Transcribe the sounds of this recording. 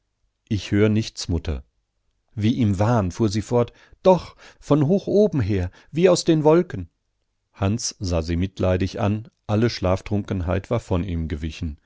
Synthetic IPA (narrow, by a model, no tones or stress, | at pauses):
ʔɪçhøːʁənɪçt͡smʊtʰɐ̰ | viːʔiːmvaːənfuːɐziːfɔɐt | d̥ɔχfɔnɦoːxʔoːbm̩ɦeːɐ | viːaʊsd̥eːnvɔlkən̩ | hant͡sz̥aːziːmɪtlaɪdɪçʔa̰nʔaləʃlaːftʁ̥ʊŋkən̩ɦa̰ɪtv̥aːɐfɔniːmɡəvɪçn̩